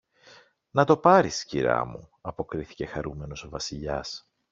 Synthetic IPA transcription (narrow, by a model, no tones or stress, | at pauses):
nɐt̪o̞pɐɾisciɾɐ̰mu | ɐpo̞kɾiθi̥ce̞xɐɾume̞no̞so̞vɐsiʎɐ̰s